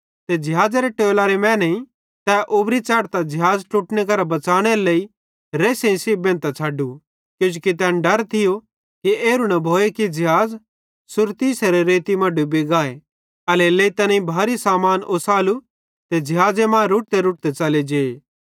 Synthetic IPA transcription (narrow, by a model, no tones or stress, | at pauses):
t̪ed͡ʒɪɦaːd͡zaɾeʈeːlaɾemɛ̃ːnĩ | t̪ɛʔʊbɾit͡ʃaːɽt̪ad͡ʒɪɦaːd͡zʈuːʈnek̬ɐɾabɐt͡saːɽ̃eɾeleːi | ɾeːsẽĩsiːbẽːnt̪at͡ʃʰaːɖu | kjʊ̃d͡ʒukit̪̬ɛ̃ːnɖɐɾt̪ʰɪjo | kieːɾunɐbʱoːekid͡ʒɪɦaːd͡z | sʊɾt̪iːseɾeɾeːt̪imɐɖubiɡaːe | ɐleleːit̪ɐnĩbʱaːɾisaːmaːnʔoːsaːlu | t̪ed͡ʒɪɦaːd͡zemãːɾuʈ̚t̪eɾʊːʈ̚t̪et͡ʃɐled͡ʒeː